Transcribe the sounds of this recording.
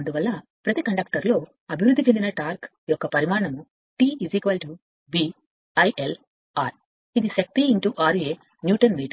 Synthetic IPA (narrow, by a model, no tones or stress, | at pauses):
ɐnd̪uʋɐlːɐpɾɐt̪ikɐɳɖɐk̚ʈɐɾlo̞ː | ɐbʱiʋɾud̪ʱːit͡ʃe̞nd̪inɐʈaːɾk | jɔkːɐpɐɾimaːɾɐɳɐmu | ʈiːiziːkʋɐːlʈi | bi | ɐjʔel | aːɾ | id̪iʃɐk̚t̪iːɳʈuʔaːɾeː | njuːʈɐnmiːʈ